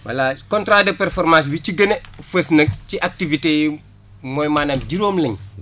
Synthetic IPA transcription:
wa̰lakɔntɾadəpɛɾfɔɾmas̬bit͡ʃiɡɐnefesnɐk̚t͡ʃiʔak̚tiviteji | mɔːjmaːnaːmɟiɾoːmlɐɲ

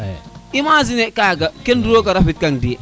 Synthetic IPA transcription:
imazinekaɡakenduɾokaɾafit̚kandi

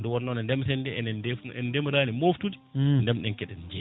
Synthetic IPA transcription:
dɔwɔɾnɔnɛndɛmsɛndɛɛnɛdɛfɛdɛmɾaːnɛmoftudindɛmɗɛnkɛɗɛnd͡ʒɛ

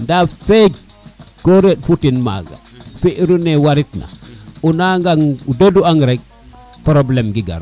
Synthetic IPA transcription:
ndafeɡ | koɾeɗ̚putinma̰ɡa̰ | fiʔɾunewaɾitna̰unaŋɡaŋudeduaŋɡɾek̚ | pɾoblɛmɡiɡa̰ɾu

